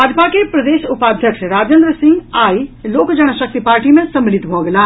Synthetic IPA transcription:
baːd͡ʒpakepɾɐd̪eːʃʊpaːd̪ʱjəkʃɾaːd͡ʒẽnd̪ɾəsɪ̃ŋɡaːiloːkd͡ʒɐɽ̃ʃɐk̚t̪ipaːɾʈimẽsɐmlɪt̪bʱoːɡəlaː

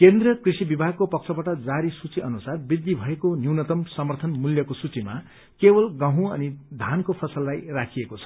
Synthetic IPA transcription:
kend̪rʌkrisibibʱaɡ̚kopʌk̚t͡sʰʌbaʈʌd͡zaɾisut͡siʔʌnusarbid̪ːibʱʌekonjiwnʌt̪ʌmsʌmʌrt̪ʰʌnmuljʌkosut͡sima̰ | kebʌlɡãɦũʌ̰nid̪ʱankopʰʌsʌlːajrakʰiekot͡sʰʌ̥

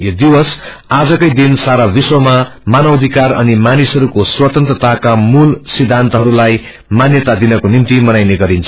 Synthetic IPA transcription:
jod̪iwʌs | ad͡zʌkʌjd̪insaɾabiswʌmamanʌbʌd̪ʱikarʌ̰nimanisʌɾukoswʌt̪ʌnt̪ɾʌt̪akamulsid̪ʱant̪ʌɦʌɾulaj | manjʌt̪ad̪inʌkonimt̪imʌnajneɡʌɾint͡sʰʌ̥

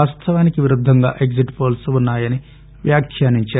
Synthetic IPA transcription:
aːst̪ʰɐʋaːnikiʋiɾud̪ʱːɐŋɡa̰ːʔe̞ɡziʈpoːlsunːaːjɐni | ʋjaːkʰjaːniɲt͡ʃaː

